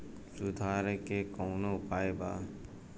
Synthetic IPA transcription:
sʊd̪ʱaːɾekekoːnoʊpaːebaː

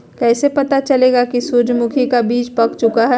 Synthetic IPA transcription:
kɛːsepɐt̪at͡ʃɐleːɡakisud͡ʒmʊkʰikabiːt͡ʃpɐkt͡ʃʊkaɦɛ

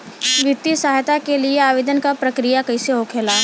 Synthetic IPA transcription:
ʋɪt̪ːisaːɦjt̪akelieaːʋeːd̪ənkapɾɐkɾijakɐɪseɦokʰeːlaː

